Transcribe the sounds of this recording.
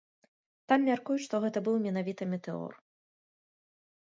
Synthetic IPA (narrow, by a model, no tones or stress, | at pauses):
t̪amːʲarkujut͡sʲʂt̪ɔɣɛt̪ɐbɨwmʲɛnavʲit̪ɐmʲɛt̪ɛɔ̰r